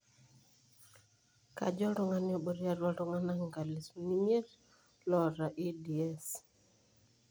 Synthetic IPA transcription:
ka̰˨d͡ʒɔ˦ɾʊ˦ŋa˦nɪ˦ɔ˦˨ɓo˨ɾi˦a˦ɾwa˦ɾʊ˦ŋa˦na˦ŋɡa˨li˨sni˦m˦e˦ɾ | lɔ˨ɾa˨ʔi˦di˨ɛ˦s

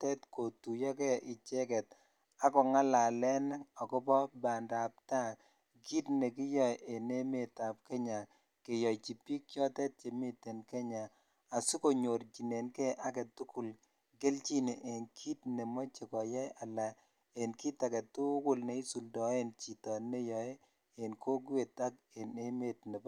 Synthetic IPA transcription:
tɛ˦tko˨tu˨jɔ˦kɛ˦ʔɪ˨t͡ʃɛ˦kɛ˨t | a˦kɔ˨ŋa˦la˨lɛ˦nɔ˨kɔ˦pɔ˦ba˨nda˨p̚ta˦ | ki˦tne˨ki˦jɔ˦˨jʔe˨ne˦me˨ta˨p̚kɛ˦ɲa˨ | ke˨jɔ˨jt͡ʃi˨pi˦k̚t͡ʃɔ˦tɛ˦t̚t͡ʃe˨me˦te˨nkɛ˦ɲa˨ | a˨su˦ko˨ɲo˨ɾt͡ʃi˨ne˨nkɛ˦ʔa˦kɛ˨tu˦ku˨l | ɡe˦lt͡ʃi˦ne˨ʔe˨nkʰi˦tne˨mɔ˦t͡ʃe˨kɔ˨jɛ˦ja˨la˨ | e˨nki˦ta˨kɛ˨tu˦kʊ˦lne˦i˦su˨ldɔ˨e˦nt͡ʃi˨tɔ˨ne˦jɔ˨e˦ | e˨nkʰo˦ɡwe˨ta˦k | e˨ne˦me˦tne˨b

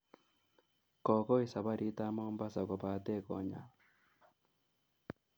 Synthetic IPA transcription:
kɔ˨ko˦i˦˨sa˨βa˦ɾi˦ta˦moː˦mba˦sa˨ko˨βa˦te˦˨kɔ̰˨ɲa̰˨

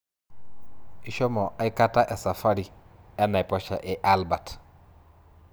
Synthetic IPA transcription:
i˨ʃɔ˦mo˨ʔa˨˦ika˦ta˦ʔe˨sa˨fa˦ɾi˨a˦na˨pɔ˦ʃa̰˨ʔɛ˨ʔalba˨t

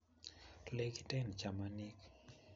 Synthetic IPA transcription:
le˦ki˦tɛ˦nt͡ʃa˨ma˦ni˦k

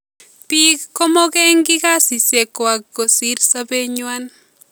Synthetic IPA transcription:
pi˦kɔ˦mɔ˦kɛ˦ŋɡi˦ka˦si˨se˨kwa˨ɡo˨si˦ɾsa˦be˦ɲwa˦n

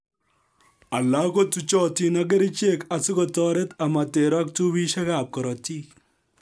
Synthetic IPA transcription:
ɐ˨lːa˦ko˦tut͡ʃɔ˦ti˦nɐɡe˦ɾi˦t͡ʃe˦kɐ˨t͡su˦kɔtɔːɾe˦t̪ɐ˨mɐ˨t̪e˨ɾa˦kt̪u˦wi˦ʃɐ˦ɡaː˨p̚kɔ˨ɾɔ˨t̪i˦

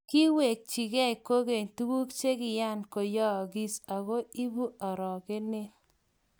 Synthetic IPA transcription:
ki˦we˨k̚t͡ʃi˨ɡɛ˦i˨ko˦ɡe˨ɲtu˦wu˦kt͡ʃe˦kɪ˨ja˦˨nko˨jɔ˦˨ɡi˦sa˨ɣo˦i˦bu˦a˨ɾɔ˨ke˦nɪ˦

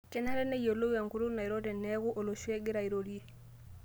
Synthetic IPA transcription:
tɛ˦na˦ɾɛ˦ne˦jo˨lo˦wa˨ŋku˨ɾu˦na˨i˨ɾo˦dɛ˨nːɛ˦ku˦ʔo˨lo˨ʃu˦e˦ɡi˦ɾa˨i˨ɾo˨di˦e˨

